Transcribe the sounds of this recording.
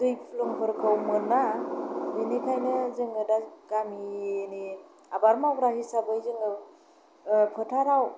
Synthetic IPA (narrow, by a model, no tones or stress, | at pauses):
dɯjpʰluŋpʰɯɾkʰɯwmɯnadɯnekʰajnɯzɯŋɡɯdaɡamini | abaɾmabɾahisabɯjzɯŋɡɯ | pʰɯtʰaɾaw